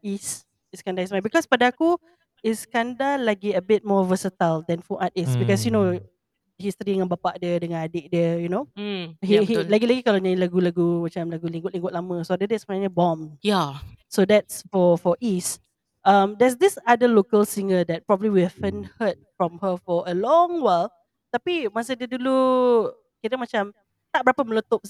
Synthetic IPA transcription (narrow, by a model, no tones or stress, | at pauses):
is | iskãndaismãjbikɔspadaaku | iskãndalaɡiəbɪt̚mɔvəsətəldɛ̃nfuʔat̚isbikɔsjuno | hist̪ɾiəŋãnbapaʔdiədəŋãnadeʔ̚diəjunohihilaɡilaɡikalaɲajilaɡulaɡumat͡ʃãmlaɡulĩŋɡʊt̚lĩŋɡʊt̪ʔ̚lamə̃soadədɛsəmənãɲəbɔ̃mjasodɛt̚sfɔfɔʔis | ʔãmdɛs̬disadəlokəlsiŋədɛt̚pɹɔbəbliwihɛvə̃nhət̚fɹɔ̃mhəfɔəlɔ̃ŋwal | t̪apimasədədulu | kitəmat͡ʃãm | t̪aʔbəɾapəməlot̪op̚